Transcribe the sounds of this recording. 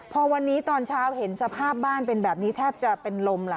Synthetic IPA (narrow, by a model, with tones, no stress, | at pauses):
pʰɔ˧wa˧nːiː˦˥t̪ɔː˧nt͡ɕʰaː˦˥whe˩˦nsa˧pʰaː˥˩p̚baː˥˩npe˧nbɛː˨˩p̚niː˦˥t̪ʰɛː˥˩p̚t͡ɕa˨˩pe˧nlo˧mla˨˦